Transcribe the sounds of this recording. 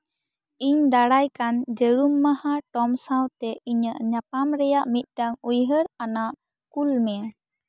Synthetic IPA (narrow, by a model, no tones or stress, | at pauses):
iɲd̪aɽajkand͡ʒəɾumːahaʈɔmsãwt̪ɛiɲəʔɲapamɾɛjaʔmit̪̚ˀʈaŋujɦəɾanaʔ | kulmɛ